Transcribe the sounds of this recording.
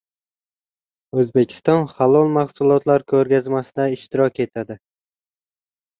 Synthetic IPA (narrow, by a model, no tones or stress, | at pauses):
ɵzbe̞kʲʰɪ̥st̪ɒnχalˠɒlˠmaχsʊlˠɒt̪ʰlaɾkʰɵɾɡʲazmasɪd̪aɪʃt̪ɪɾɒkʲe̞t̪ʰad̪ɪ